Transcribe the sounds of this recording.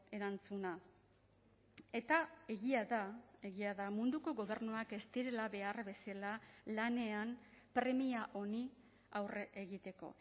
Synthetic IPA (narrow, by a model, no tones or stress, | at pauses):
e̞ɾant͡suna | e̞t̪ae̞ɣiaðae̞ɣiaðamund̪uko̞ɣo̞βe̞rnuake̞st̪iɾe̞laβe̞arbe̞salalane̞ampɾe̞miaʔo̞ni | awreʔeɣit̪e̞ko̞̰